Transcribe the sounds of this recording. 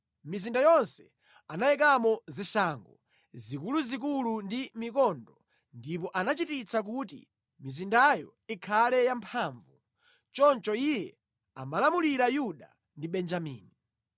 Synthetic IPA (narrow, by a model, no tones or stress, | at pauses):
mizindajɔnsɛ̥ | anajɛk̬amɔziʃaŋɡɔ | zikuluzik̬ulundimikɔndɔ | ndip̬ɔʔanat͡ʃitit͡sak̬utḭ | mizindajɔ̰ | ikʰalɛjampʰaːɱvu | t͡ʃɔnt͡ʃɔijɛ | a̰malamuliɾajuɗa | ndiɓɛnd͡ʒamḭːni